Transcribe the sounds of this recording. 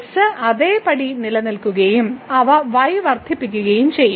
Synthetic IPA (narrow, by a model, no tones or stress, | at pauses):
sɐʔɐðeːpɐɽinilɐnilkuɣɐjumɐʋɐʋɐjʋɐrd̪ʱipːikʲːuɣɐjumt͡ɕejː